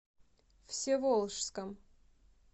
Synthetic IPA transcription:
fsʲevolˠʂskəm

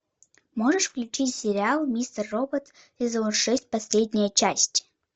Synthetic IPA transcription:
moʐəʂfklʲut͡ʃitʲsʲeɾʲialˠmʲist̪ərːobət̪ | sʲezonʂɛsʲt̚ʲpɐsʲlʲedʲnʲɪjət͡ʃʰasʲtʲ

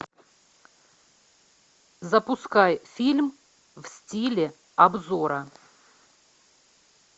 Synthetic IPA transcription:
zəpʊskajfʲilʲm | vsʲtʲilʲɪ | ɐbzoɾə

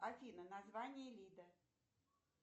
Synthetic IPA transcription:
ɐfʲinənazvanʲɪjəlʲid̪ə

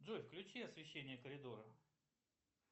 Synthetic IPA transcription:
dʐojfklʲʉt͡ɕiɐsvʲɪɕːenʲɪjəkəɾʲɪd̪o̞ɾə

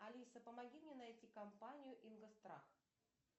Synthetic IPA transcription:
ɐlʲisəpəmɐɡʲimnʲenɐjtʲikɐmpanʲɪjʊʔinɡəst̪ɾa̰x

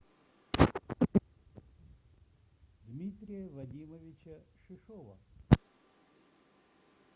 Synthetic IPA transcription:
d̪mʲit̪ɾʲɪjəvɐdʲiməvʲɪt͡ɕɐʂɨʂɔʋɐ̰

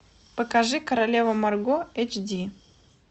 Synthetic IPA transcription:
pəkaʐɨkəɾalʲevəmarɡoet͡ʃdʲi

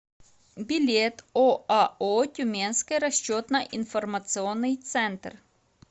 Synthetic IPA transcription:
bʲɪlʲet̪oaot̪ʲʊmʲenskəjɾɐɕt͡ɕot̪nɐʔinfɔrmɐt̪sɨɔnːɨjt̪sɛnt̪r

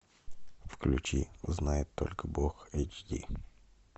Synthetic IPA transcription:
fklʲʉt͡ɕiznajɪt̪ʰːo̞̰lʲkəboxet͡ɕd̪ʲi

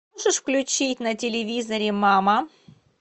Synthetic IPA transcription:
ʐɨʂfklʲʉt͡ɕit̚ʲnətʲɪlʲɪvʲizəɾʲɪmamə

